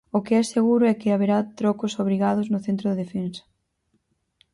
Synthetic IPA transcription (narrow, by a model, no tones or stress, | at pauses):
ʊkɪɛseɣuɾʊɛkɪaβeɾat̪ɾɔkʊsoβ̞ɾiɣað̞ʊznʊθent̪ɾʊðeðefensɐ̥